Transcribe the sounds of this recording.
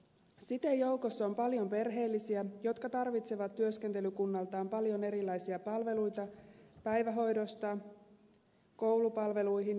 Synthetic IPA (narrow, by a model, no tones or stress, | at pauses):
sit̪ejo̞ukosːompɑljo̞mpe̞rɦe̞ːlːisiæjo̞t̪kɑt̪ɑrʋit̪se̞ʋɑt̪ːyøsk̟ent̪e̞lykunːɑlt̪ɑːmpɑljo̞ne̞ɾilːɑjsiɑpɑlʋe̞lujt̪ɑpæjʋæɦo̞jdo̞st̪ɑ | ko̞wlupɑlʋe̞lujɦin